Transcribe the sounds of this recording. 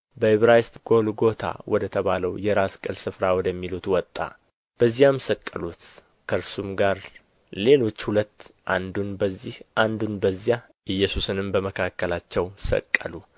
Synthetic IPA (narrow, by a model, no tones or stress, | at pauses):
bəhɪβɾajst̪ɡo̞lɡo̞t̪ʰa̰wʔɔd̪ət̪ʰəβaləwjɛɾaskʼəlsɨfɾawɔd̪əmːilut̪wɔt̪ʼːa̰ | b̥əzːijamsəkʼːəlut̪ | kʰəɾsumɡaɾ | le̞lo̞t͡ʃːhulət̪ːʔand̪unbəzːihʔand̪unbəzːija | ʔɨjːɛsusɨnɨmbəməkʰakːəlat͡ʃːɛwsə̰kʼːəlu